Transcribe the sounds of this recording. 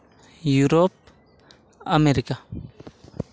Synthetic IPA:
juɾop̚ | ameɾika

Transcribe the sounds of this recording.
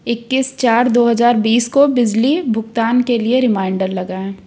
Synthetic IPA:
ɪkːɪst͡ʃaːɾd̪oːɦɐzaːɾbiːskobɪd͡ʒlibʱʊɡt̪aːnkelieɾɪmaːɪɳɖəɾlɐɡaːɛ̃ː

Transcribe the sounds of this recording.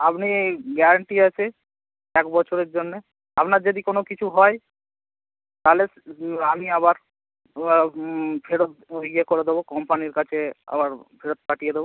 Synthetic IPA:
apniɡɛɾaɳʈiat͡ɕʰe | ɛkbɔt͡ɕʰoɾeɾd͡ʑonːe | apnaɾd͡ʑod̪ikonokit͡ɕʰuɦɔe | t̪ale | amiabaɾ | pʰeɽot̪̚oɡiekoɾed̪ebokɔmpaniɾkat͡ɕʰea̰baɾpʰeɽot̪̚paʈijed̪ebo

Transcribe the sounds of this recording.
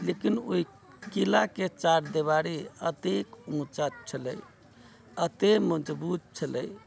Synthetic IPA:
lekinoi | kilaket͡ʃaɾd̪eβaɾiət̪ekũt͡ʃat͡ʃʰələj | ət̪eməd͡ʒbut̪̚t͡ʃʰələ̰j

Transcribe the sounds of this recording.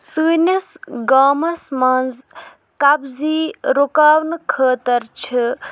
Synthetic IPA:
sɨːnʲɐsɡaːmɐsmɐnz | kɐbziːɾokaːwnɨkʰəːt̪ɐɾt͡ʃʰɨ

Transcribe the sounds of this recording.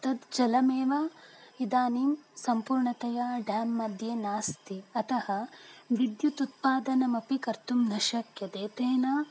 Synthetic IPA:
t̪ɐd̪d͡ʒɐlɐmeːʋɐid̪aːniːmsɐmpuːɾɳɐt̪ɐjaɖaːmːɐd̪ʱjeːnaːst̪iɐt̪ɐhɐʋid̪jut̪ut̪̚paːd̪ɐnɐmɐpikɐɾt̪umnɐʃɐkjɐd̪eːt̪eːna

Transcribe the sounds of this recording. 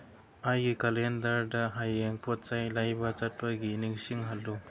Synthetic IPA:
ajɡikalendɐɾdɐɦajeŋpʰot̚t͡ʃajlajbɐt͡ʃɐt̚pɐɡiniŋsiŋɦalːu

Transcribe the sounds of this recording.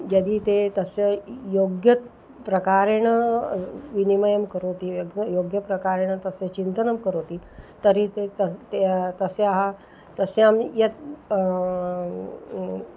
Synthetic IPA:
jəd̪iːt̪et̪əsejoɡjət̪ | pɾəkaɾeɽ̃ə | ʋiniməjəmkəɾot̪ijoɡjəpɾəkaɾeɽ̃ət̪əset͡ɕint̪ənəmkəɾot̪iːt̪əɾit̪eət̪et̪əseaɦa | t̪əseamjet̪

